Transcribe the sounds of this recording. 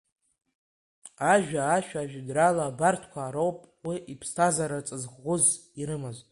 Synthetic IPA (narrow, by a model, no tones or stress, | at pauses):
aʒᶣaːʃᶣaʒᶣdralaːbartʰkʷʰaːɾowpʼwiʔipʰstʰazaɾat͡sʼɨzʁːʷʊz | iɾɨmaztʼ